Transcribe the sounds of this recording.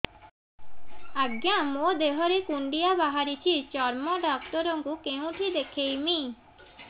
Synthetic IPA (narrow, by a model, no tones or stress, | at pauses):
aɡjamod̪eɦɔɾekuɳɖijabaɦaɾit͡ʃʰit͡ʃɔɾmoɖɔk̚t̪ɔɾoŋɡukeũʈʰid̪ekʰejmi